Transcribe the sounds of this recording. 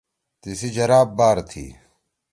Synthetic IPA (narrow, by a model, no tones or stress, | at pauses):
t̪isid͡ʑɐɾaːbːaːɾt̪ʰḭː